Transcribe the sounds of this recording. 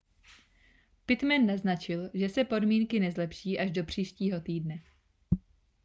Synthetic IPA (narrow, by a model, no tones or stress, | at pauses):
pɪt̪mɛnːaznat͡ʃɪlʒɛsɛpo̞dmiːŋkɪnɛzlɛpʃiːʔaʒdo̞pr̝̥iːʃciːɦo̞t̪iːdnɛ